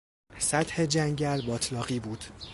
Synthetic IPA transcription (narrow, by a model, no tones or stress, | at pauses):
sæt̪he̞d͡ʒæŋɟælbɒːt̪ʰlɒːɣiːbuːd̪̥